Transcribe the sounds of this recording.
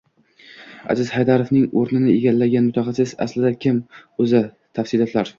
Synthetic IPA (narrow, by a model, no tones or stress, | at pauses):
a̰zɪzhajd̪aɾofnɪŋoɾnɪnɪeɡʲalːaɡʲanmʊt̪ʰɒqɑsɪza̰slɪd̪akʲʰɪmɵzɪ | t̪ʰafsɪlɒt̪ʰlaɾ